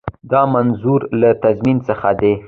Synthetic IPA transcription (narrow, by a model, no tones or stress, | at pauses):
d̪ɑmanzuɾlat̪azminsəxad̪e